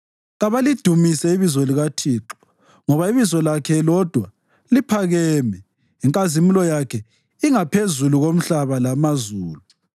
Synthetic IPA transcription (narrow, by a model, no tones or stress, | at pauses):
ɣaβalid̥ʱumisɛiβizɔliɣatʰiːǁɔ̥ | ŋɔβaiβizɔlakʰɛlɔd̥ʱwa | lipʰaɣɛːmɛ | iŋkʼazimulɔjakʰɛ | iŋapʰezuluɣom̩ɬaβalamazuːlu